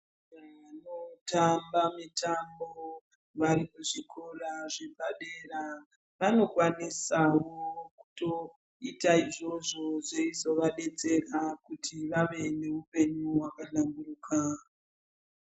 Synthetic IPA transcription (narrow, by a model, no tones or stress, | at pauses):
ʋano̞tambamitambo | ʋarikuʐikʰoraʐe̞paɗera | ʋano̞kwanisawoku̥to̞ | itaiʐo̞ʐo̞zeizo̞ʋaɗe̞t͡se̞rakutʰiʋaʋe̞ne̞upe̞ɲuwakaɬamburuːka